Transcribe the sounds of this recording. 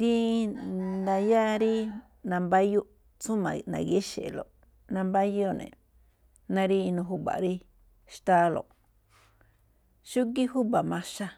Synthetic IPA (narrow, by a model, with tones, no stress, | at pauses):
t̪i˧ | nd̪a˧ja˦ɾi˦ | nã˧mba˦ju˦ʔ | t͡sũ˦mã̰˨nã̰˨ɣe˦ʃḛ˨lo̰˨ʔ | nã˧mba˦jo˦nḛ̃˨ | nã˧ɾi˦˧nũ˧ɦu˦ba̰˨ɾi˦ | ʃt̪aː˧˦lo̰˨ʔ | ʃu˦k̬i˦hu˦ba˨mã˧ʃa˧